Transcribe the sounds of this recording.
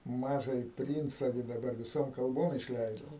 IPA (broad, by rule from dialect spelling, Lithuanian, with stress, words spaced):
ˈmɑːʒɑːjɪ ˈpʲrʲiːnt͡sɐ ɡʲɪ dɐˈbɐr ʋʲɪˈsoːm kɐlˠˈboːm ɪʃʲˈlʲɛɪdoː